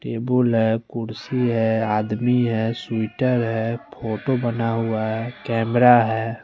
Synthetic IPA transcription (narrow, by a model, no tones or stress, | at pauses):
ʈeːbəlɦɛkʊɾsiɦɛaːd̪miɦɛːswɪʈəɾɦɛpʰoːʈobənaɦʊaɦɛkɛːmɾaɦɛː